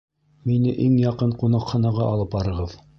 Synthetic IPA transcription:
minɘʔiŋjɑqɤɴqunɑqχɑnɑʁɑʔɑlˠɤpbɑɾɤ̆ʁɤð

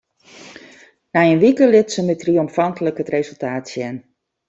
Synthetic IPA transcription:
najənʋikəlɪtsəmətriɔmfantələkətreːzəlˠtaːtsjɛn

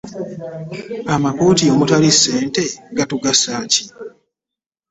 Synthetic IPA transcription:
amakuːtio̞mutalisːe̞ːnte̞ɡatuɡasaːci̥

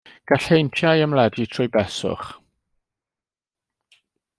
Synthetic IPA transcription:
ɡ̥aɬejntʰjajəmlɛditʰrʊjbɛsʊ̰χ

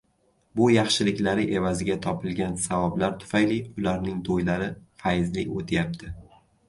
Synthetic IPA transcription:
bʊjɑχʃɪlɪkʲlaɾɪʔe̞vazɪɡʲat̪ʰɒpʰɪlɡʲansavɒblaɾt̪ʰʊ̥fajliʊlaɾnɪŋd̪ʰojlaɾɪfajɪzlɪkʲot̪ʰajap̚t̪ʰɪ

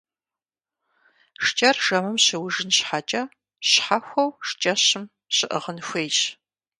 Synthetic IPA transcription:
ʂt͡ʃʼɐrʒ̥ɐmɨmɕɪwʊʒɨnɕħat͡ʃʼɐ | ɕħaxʷɐwʂt͡ʃʼɐɕɪm | ɕɪʔəʁənxʷejʃ

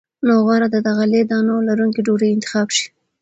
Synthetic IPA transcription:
noɣwɑɾad̪əd̪aɣaled̪ɑnolaɾuŋkiɖoɾəjɪnt̪ɪ̥xɑbʃi̥

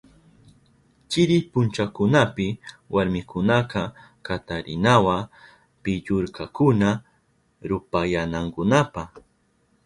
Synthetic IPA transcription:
t͡ʃɪɾɪpʊnt͡ʃakʊnapɪwʔaɾmɪkʊnaqɑ | kat̪aɾɪ̰nawa | pɪʎʊɾkakʊna | ɾʊpajanaŋkʊnapaχ

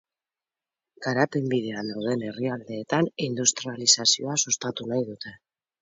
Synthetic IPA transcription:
ɡ̥aɾape̞mbið̞e̞anawðe̞ne̞riald̪e̞ːt̪anind̪ust̪ɾialisasio̞asust̪at̪unajðut̪e̞

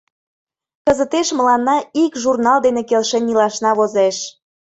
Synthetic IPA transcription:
kəzət̪eʃməlɑnːɑikʒurnɑld̪enekelʃenilɑʃnɑβozeʃ

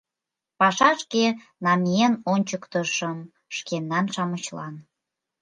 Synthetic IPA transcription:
pɑʃɑʃke | nɑmijenonʲt͡ɕəkt̪əʃəm | ʃkenːɑnʃɑmət͡ɕlɑ̰n

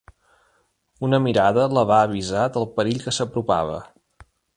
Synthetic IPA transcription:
unəmiɾaðələβaəβ̞izad̪əlˠpəɾiʎkəsəpɾupa̰β̞ə̰

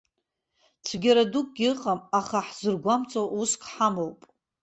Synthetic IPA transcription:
t͡sʷʰɡʲaɾaduk̚ʼɡʲiɨqʼamaχaħz̥ɨrɡʷamt͡sʼowuskʰʼħamowpʼ

